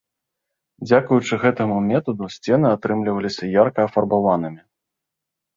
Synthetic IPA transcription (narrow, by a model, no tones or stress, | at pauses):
d͡zʲakujut͡ʂɨɣɛt̪ɐmumʲɛt̪ɐd̪usʲt͡sʲɛn̪ɨat̪ɾɨmlʲivɐlʲisʲɐjarkɐːfɐrbavan̪ɨmʲi